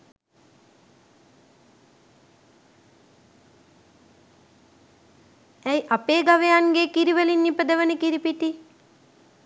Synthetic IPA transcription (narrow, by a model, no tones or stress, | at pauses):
æjʔapeːɡaʋejanɡeːkiɾiʋəlinːipəd̪əʋənəkiɾipiʈi